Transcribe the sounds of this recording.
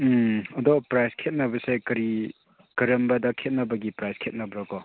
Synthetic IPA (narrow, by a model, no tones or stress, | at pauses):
ɐdɔpɾajskʰet̚nɐbɐsajkɐɾi | kɐɾɐmbɐdɐkʰet̚nɐbɐɡipɾajskʰet̚nɐbɾakɔ